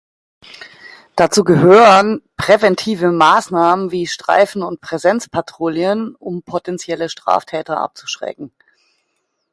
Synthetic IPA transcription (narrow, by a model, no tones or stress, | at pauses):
d̥at͡suːɡəɦøːʁənpʁ̥evɛntʰiːvəmaːsnaːmənviːʃtʁ̥a̰ɪfn̩ʊnt̚pʁ̥ɛzɛnt͡spʰatʁ̥oːljənʊmpʰotɛnt͡sjɛləʃtʁ̥a̰ːftʰɛːtɐʔa̰p̚t͡su̥ʃʁ̥ɛ̰kŋ̩